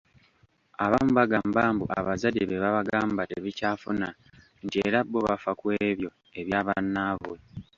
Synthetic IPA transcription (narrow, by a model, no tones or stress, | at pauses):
aβamuβaɡambaːmbuʔa̰βazadeβeβaβaɡaːmbateβicaːfuna | ntie̞ɾabːoβafakweːβjo̞ | e̞βjaːβanːaːβo